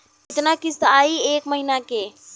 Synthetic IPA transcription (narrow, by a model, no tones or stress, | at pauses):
kɪt̪nakɪst̪aːieːkməɦinakeː